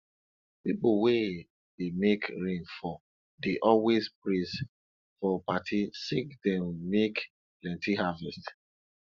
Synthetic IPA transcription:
pipowe | demekɹĩnfɔ | deʔɔwezpɹis | fɔpatʰisikdɛ̃mːek | plɛ̃ntiɦavɛst

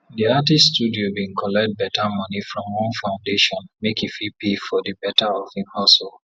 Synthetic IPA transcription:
diatiststudiobĩŋkʰɔlɛk̚t̚bɛtamɔnifɹɔ̃mwɔ̃nfãʊ̃ndeʃɔ̃nmekifipifɔdəbɛtʰaɔvĩnhɔsol

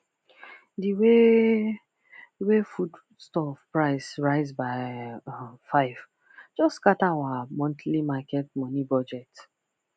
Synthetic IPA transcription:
diwe | wefud | stɔfpɹaɪsɹaɪzbaɪ | faɪv | d͡ʒɔstːkataawamɔ̃ntlimakɛt̚mɔnibɔd͡ʒɛt

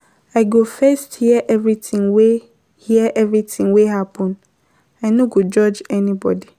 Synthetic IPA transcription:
aɪɡofɛsthiɛʔɛvɹitʰĩŋwe | hiɛʔɛvɹitʰĩŋwehapʰɔ̃n | anõɡod͡ʒɔd͡ʒɛnĩbɔ̰di

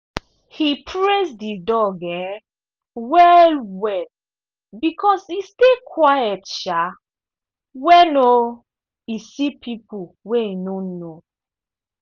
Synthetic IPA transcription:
hipʰɹesdidɔɡɛ̃ | wɛlwɛd | bikʰɔsistekʰwajɛtʃa | wɛno | isipʰipuweinõno

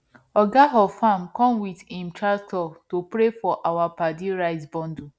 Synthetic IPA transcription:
ɔɡaɦɔfamkɔ̃mwidĩmtɹastɔtopɾefɔʔawapadiɾaɪsbɔ̃ndu

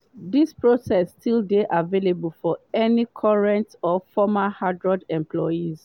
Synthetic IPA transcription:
dispɹosɛsːtʰildeʔavelebəlfɔɛnikʰɔɹɛ̃ntɔfɔmahadɹɔdɛ̃mpʰlɔjiz

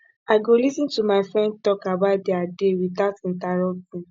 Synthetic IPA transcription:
aɡolisĩntumaɪfɹɛ̃nd̚tɔkabat̚diadewiðatĩntaɾɔp̚tĩ

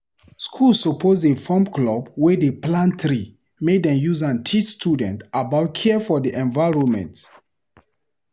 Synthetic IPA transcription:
skʰulsɔpʰozefɔ̃mklɔbwɛdeplãnt̪ɹi | meddɛ̃mjuzãntʰit͡ʃstudɛ̃ntabaʊt̚kʰɛfɔdiʔɛ̃nvajɹɔ̃nmɛ̰̃nt

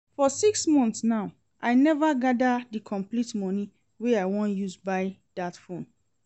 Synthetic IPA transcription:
fɔsiksmɔ̃nθsnaʊ | ʔaɪnɛvaɡadadikʰɔ̃mplitmɔni | weaɪwɔ̃njuzbaɪd̥atfõn

